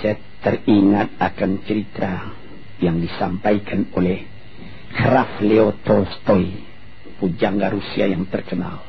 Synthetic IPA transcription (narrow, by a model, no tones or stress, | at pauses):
saja | t̪əriŋat̪̚akant͡ʃəɾit̪ɾa | jaŋdisampaikʰanolɛh | krafleot̪ɔst̪ɔi | pud͡ʒaŋɡaɾusiajaŋt̪ərkəna̰l